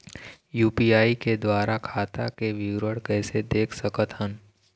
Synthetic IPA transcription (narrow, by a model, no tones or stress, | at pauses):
juːpiaːiked̪waːɾakʰaːt̪akeʋɪwɾəɽkɛːsed̪eːkʰsɐkət̪ɦən